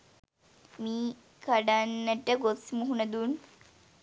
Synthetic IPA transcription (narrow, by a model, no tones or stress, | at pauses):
miː | kaɖanːəʈəɡosmuɦunəd̪un